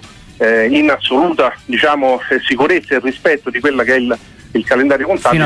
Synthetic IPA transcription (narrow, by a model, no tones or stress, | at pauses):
inasːoluːt̪ad̪it͡ʃaːmosikuɾet̪sːaerːispɛt̪ːod̪ikwelːak̟eɛil | ilkalend̪aːɾjokont̪a